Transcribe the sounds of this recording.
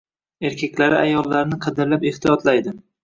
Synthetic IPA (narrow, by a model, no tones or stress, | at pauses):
e̞ɾkʲʰakʲlaɾɪajɒlːaɾnɪqʰɑd̪ɪɾlape̞ht̪ijɒt̪lajd̪ɪm